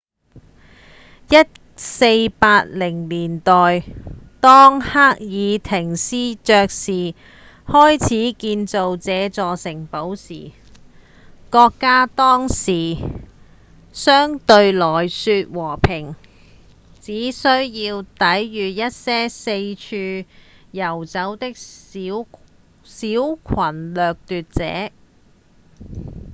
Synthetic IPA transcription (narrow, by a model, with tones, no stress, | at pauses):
jɐ˥t̚ | se˧jpaː˧t̚lɪ˨˩ŋliː˨˩nt̪ɔː˨jt̪ɔː˥ŋhaː˥k̚jiː˨˧t̪ʰɪ˨˩ŋsiː˥t͡ʃœː˧k̚siː˨˩ | hɔː˥jt͡sʰiː˨˥kiː˧nt͡so˨wt͡sɛː˨˧t͡sɔː˨sɪ˨˩ŋpo˨˥wsḭː˨˩ | kɔː˧kːaː˥t̪ɔː˥ŋsiː˨˩ | sœː˥ŋt̪ɵ˧ɥlɔː˨˩jsyː˧t̚wɔː˨˩pʰɪ˨˩ŋ | t͡siː˨˥sɵ˥ɥjiː˧wt̪ɐ˨˥jːyː˨jɐ˥t̚sɛː˥se˧jt͡ʃʰyː˧jɐ˨˩wt͡sɐ˨˥wt̪ɪ˥k̚ː | siː˨˥wkʰɐ˨˩nlœː˨k̚t̪yː˧t̚t͡sɛ̰ː˨˥